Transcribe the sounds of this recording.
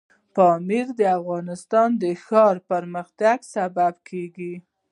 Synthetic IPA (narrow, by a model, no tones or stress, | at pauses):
pɑmiɾd̪əafɣɑnɪst̪ɑnd̪əxɑɾpəɾməxt̪aɡsababkʰeɡi